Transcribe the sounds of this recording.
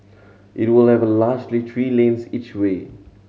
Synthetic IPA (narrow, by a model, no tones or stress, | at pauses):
ʔɪtwɪlˠævlaːd͡ʒliθʰɹiːlẽnsit͡ʃweː